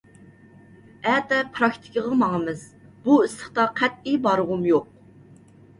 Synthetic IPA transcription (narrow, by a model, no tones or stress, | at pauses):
ɛt̪ɛpʰɾɑk̚t̪ʰɪ̥kʲʰəʁɑmɑŋəmɨzb̥uɪsləχt̪ɑqʰæt̪̚ibɑɾʁʊmjoq̚